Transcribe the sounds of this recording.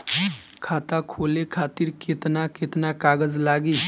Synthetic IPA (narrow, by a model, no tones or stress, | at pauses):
kʰaːt̪akʰoːlekʰaːt̪iɾket̪naket̪nakaːɡəd͡zlaːɡiː